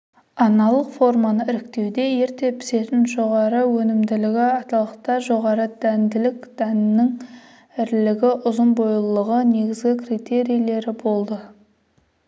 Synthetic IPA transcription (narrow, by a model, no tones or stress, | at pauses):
ɑnɑlˠəqfo̞rmanəɪɾɪk̚t̪e̞wd̪e̞je̞ɾt̪e̞pʰɪ̥se̞t̪ɪnʒo̞ʁɑɾəwɵnɪmd̪ɪlɪɡʲɪɑt̪ɑlˠəqt̪ɑʒo̞ʁɑɾəd̪̥ænd̪ɪlɪkd̪̥ænnɪŋ | ɪɾlɪɡʲɪʔʊzənbojlˠəʁəne̞ɡʲɪzɡʲɪkrit̪e̞ɾijale̞ɾɪbo̞lˠd̪ə